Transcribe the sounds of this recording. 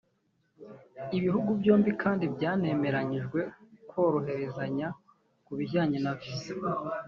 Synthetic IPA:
iβiɦuɡubɟo̞ːmbikʰaːndibjaːne̞me̞ɾaɲiʒɡwe̞kwo̞ːɾo̞ɦe̞ɾe̞zaɲa | kuβiɟaːɲenavize

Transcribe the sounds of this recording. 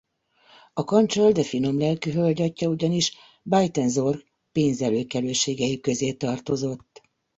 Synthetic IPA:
ɒkɒnt͡ʃold̪ɛfino̞mlɛlkyɦølɟɒcːɒuɟɒniʃ | bajt̪ɛnzo̞rɡ | peːnzɛløːkɛløːʃeːɡɛjikø̞zeːt̪ɒrt̪o̞zo̞t̪ː

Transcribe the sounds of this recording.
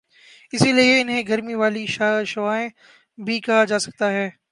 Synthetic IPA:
ɪsilieɪnɦẽɡɐɾmiʋaːliʃaʃʊʋaːẽ | bʱikɐɦad͡ʒaːsɐ̥k̚t̪aɦɛː

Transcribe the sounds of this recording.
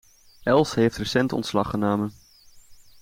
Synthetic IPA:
ɛlˠsɦejftrəsɛntɔ̰ntslɑχənoːmən

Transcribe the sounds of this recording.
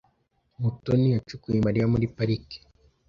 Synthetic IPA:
mutɔniat͡ʃukuimaɾiamuɾipaɾiki̥

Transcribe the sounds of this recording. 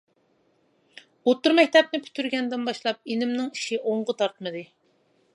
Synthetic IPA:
ot̪ːuɾmɛkʲt̪ʰɛp̚nɪpʰy̥t̪ʰyɾɡʲɛnd̪ɪnbɑʃlˠɑp̚inɪmnɪŋiʃiʔoɴʁʊt̪ʰɑɾt̪mɨd̪ɨ

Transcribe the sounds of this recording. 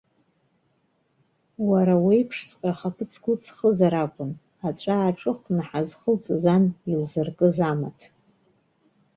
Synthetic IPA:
waɾawijpʰʂsqʲʷʼaχapʰɨt͡sʰɡʷʊt͡sʼʰχəzaɾakʷʼʊn | at͡ɕʷʼaːʈ͡ʂʼɨχnaħazχəlt͡sʼzanilzɨrkʼɨzama̰tʰ

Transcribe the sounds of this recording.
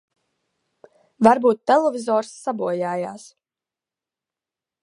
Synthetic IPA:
vaɾbuːt̪ːɛlˠevʲizɔːɾsːabuɔjaːjaːs

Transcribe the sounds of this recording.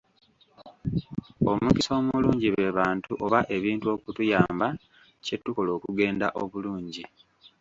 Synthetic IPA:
omukiso̞ːmuluːɲɟiβe̞βaːntuʔo̞βaʔe̞βiːntuo̞ːkutujaːmba | cetːuko̞lo̞ːkuɡe̞ːnda̰ʔo̞βuluːɲɟi

